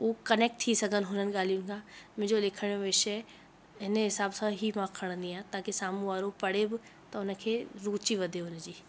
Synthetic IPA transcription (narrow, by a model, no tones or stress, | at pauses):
uːkɐneːk̚ʈ̚t̪ʰisɐɡʱən̆ɦʊn̤ənɪ̆ɠaːl̤ijʊnɪ̆kʰãːmɪ̃d͡ʑolɪkʰəɽ̃joʋɪʃɦe | ɦɪnəɦɪsaːbsãɦimãkʰəɽ̃ə̃nd̪ĩaːt̪aːkesaːmũaːɾopɐɽebɪ | t̪ɐʊnə̆kʰeːɾuːt͡ɕiʋɐd̪ʱeʊnəd͡ʑiː